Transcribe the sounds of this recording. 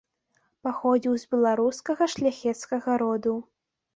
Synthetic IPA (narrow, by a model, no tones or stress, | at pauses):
paxɔd͡zʲiwzbʲɛlˠaɾuskɐɣɐʂlʲaxʲɛt̪skɐɣɐɾɔd̪u